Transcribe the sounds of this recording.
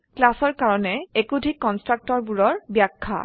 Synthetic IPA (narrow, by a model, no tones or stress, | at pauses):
klasɔɹkaɹɔnɛekudʱikːɔnstɹak̚tɔɹbuɹɔɹbjakʰːa̰